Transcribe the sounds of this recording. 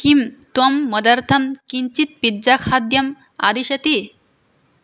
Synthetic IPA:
kimt̪ɔmːəd̪əɾt̪ʰɐmkiɲt͡ɕit̪̚piɾd͡ʑakʰad̪jɐm | a̰d̪iɕɐt̪i

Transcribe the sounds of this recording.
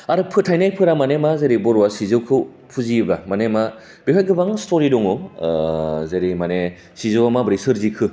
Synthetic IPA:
aɾɯpʰɯtʰajnajpʰɯɾamanemazeɾibɔɾuwasizɯwkʰɯ | pʰuzibamanema | b̥ikʰajɡʰɯbaŋstʰoɾidɔŋɔ | zeɾimane | sizɯwamabɾisɯɾzikʰɯ

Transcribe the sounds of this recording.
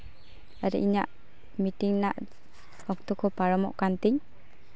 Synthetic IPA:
aɾḭʔiɲaʔ | miʈiŋnaʔ | ɔk̚t̪ɔkʰɔpaɹɔmɔ̰ʔkant̪iɲ

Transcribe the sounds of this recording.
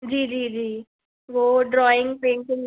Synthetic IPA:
d͡ʒiːd͡ʒiːd͡ʒiː | ʋoɖɾɔːɪ̃ŋɡ̚pẽːɳkɪ̃ŋ

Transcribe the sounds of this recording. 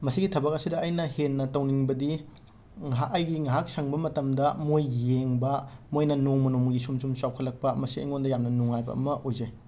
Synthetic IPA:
mɐsiɡitʰɐbɐk̚ɐsidɐːjnɐhenːɐtɐwniŋbɐdi | ŋɦakɐjɡiŋɐɦak̚sɐŋbɐmɐtɐmdɐmojːeŋbɐmojnɐnoŋmɐnomɡisumsumsawkʰɐlːɐk̚pɐmɐsiɐ̰jŋondɐjamnɐnoŋajbɐ̰ɐ̰mɐʔojzej

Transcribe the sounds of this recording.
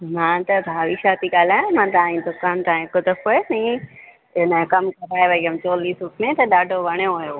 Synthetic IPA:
mãːt̪ɐbʱaːʋiʃaːt̪iɠaːl̤aːjõmãːt̪aːĩd̪ʊkaːnt̪aːĩkʊd̪əfoenɐ̃ | ɪnkɐmkɐɾaːeʋɐiɐmt͡ɕɔːliːsɾʊpʰmẽt̪ɐɗaːɖʱoʋɐɽ̃joɦʊjoː

